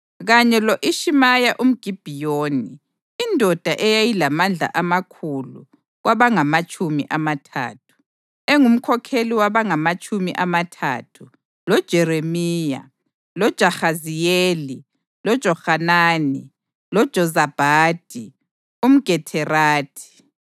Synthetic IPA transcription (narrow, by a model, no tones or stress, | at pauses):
ɣaɲɛlɔʔiʃimajaʔum̩ɡ̥ʱib̥ʱijoːniː | ndʱɔd̥ʱaʔɛjajilamand͡ɮʱa̰ʔamakʰulṵ | ɣwaβaŋamat͡ʃʼumḭʔamatʰa̰ːtʰu̥ | eŋum̩kʰɔkʰeliwaβaŋamat͡ʃʼumḭʔamatʰa̰ːtʰu | lɔd̥ʒ̥ʱɛremiːja̰ | lɔd̥ʒ̥ʱaxazijeːli | lɔd̥ʒ̥ʱɔhanaːni | lɔd̥ʒ̥ʱɔzab̥ʱaːd̥ʱi | um̩ɡ̥ʱɛtʰɛraːtʰi̥